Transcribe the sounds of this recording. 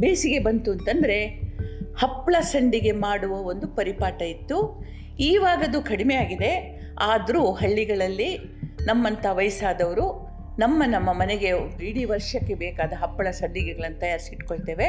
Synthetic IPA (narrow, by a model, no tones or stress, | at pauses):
beːsiɡe̞bɐnt̪uɐnt̪ɐnd̪ɐɾe̞ | hɐpːɭɐsɐɳɖiɡe̞maːɽuʋɐo̞nd̪upɐɾipaːʈɐit̪ːu | iːʋaːɡɐd̪ukɐɽimejaːɡid̪e̞ | aːd̪ɐɾuːɦɐɭːiɡɐɭɐlːi | nɐmːɐnt̪ɐʋɐjsaːd̪ɐʋɐɾu | nɐmːɐnɐmːɐmɐneɡe̞iɽiʋɐɾʂɐkːe̞bɛːkaːd̪ɐɦɐpːɐɭɐsɐɳɖiɡeɡɐɭɐnːut̪ɐjaːɾisiiʈko̞ɭt̪e̞ːʋe̞